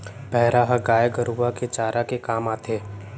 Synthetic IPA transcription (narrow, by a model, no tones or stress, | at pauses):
pɛɦɾaɦəɡaːjɡəɾuːʋaket͡ʃaːɾʔakekaːmaːt̪ʰeː